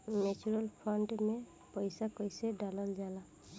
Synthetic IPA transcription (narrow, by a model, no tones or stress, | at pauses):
net͡ʃuɾɔlpʰɔɳʈmɛ | pɔjsakɔjsɛɖalɔld͡ʒala